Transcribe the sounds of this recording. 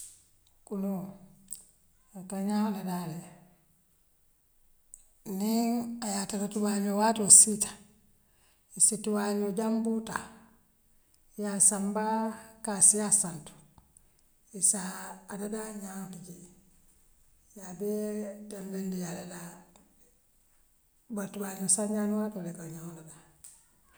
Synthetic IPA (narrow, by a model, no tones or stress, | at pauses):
kunɔ | kaɲahladalɛ | ninajataɾatuwaɲɔwatɔsitḁ | isituwaɲɔd͡ʒambuta̰ | jasambakasijasantu̥ | isaːdadaɲantiɟi | jabedanlendijalela | batubaɲosaɲaːnwatolekaɲonada